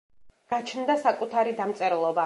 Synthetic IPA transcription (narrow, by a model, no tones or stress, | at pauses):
ɡ̥at͡ʃʰnd̪asakʼut̪ʰaɾid̪amt̪sʼɛɾɛlˠɔba